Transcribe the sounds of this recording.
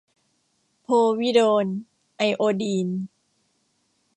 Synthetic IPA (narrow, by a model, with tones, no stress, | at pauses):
pʰoː˧wi˦˥doː˧n | ʔa˧jʔoː˧diː˧n